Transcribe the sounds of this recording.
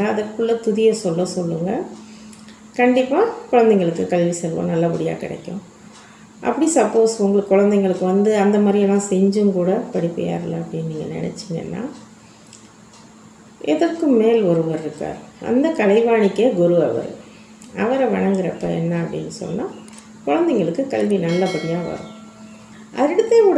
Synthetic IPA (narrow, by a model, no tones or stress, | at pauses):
ɐðɐɾkːɯɭːɐt̪ʊðɪjɐsɔlːɐ̃sɔlːɯŋɡɐ | kɐɳɖɪpːaːkʊɻɐnd̪ɛŋɡɐɭɯkːɯkɐɭʋisɛlʋõ̰nɐlːɐpʊɽɪja̰ːkɪɽɛ̰kːʊ̰̃ | ʔɐ̰pːɐɽisɐpːoːsʊŋɡɐɭɯkːʊɻɐnd̪ɛŋɡɐɭɯkːɯʋɐnd̪ɯɐnd̪ɐmaːd̪ɾɪjlãːsɛɲd͡ʒɯmkuːɽɐpɐɽɪpːɐ̰ja̰ːɾɐlːɐɐpːɽɪnniːŋɡɐnɪ̰nɛ̰t͡ʃːɪŋɡɐ̰nːa̰ː | ʔɛðɐrkːɯmmeːlɔɾɯʋɐɾɪɾɯkːa̰ːɾʔɐ̰nd̪ɐkɐlɐɪʋaːɳɪkːeːɡʊɾɯɐʋɐ̰ɾ̰ | ɐʋɐɾɛʋɐ̰ɳɐŋɡɯɾɐpːɐ̰ɛ̰nːɐɐpːɐɽɪnːɯsɔ̰nːaː | kʊɻɐnd̪ɛŋɡɐɭɯkːɯkɐlʋinɐlːɐpʊɽɪjaːʋɐ̰ɾʊ̰̃ | ʔɐ̰ɾɪɽɯt̪ːeːkuːɽ